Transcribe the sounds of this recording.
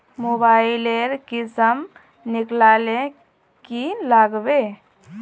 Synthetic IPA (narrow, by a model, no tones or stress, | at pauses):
mobaːɪileɾkɪsəm | nɪklale | kilaɡbe